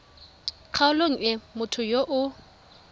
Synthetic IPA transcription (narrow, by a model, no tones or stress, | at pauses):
q͡χʰaʊloŋ̩ɛmʊtʰʊjoʔʊ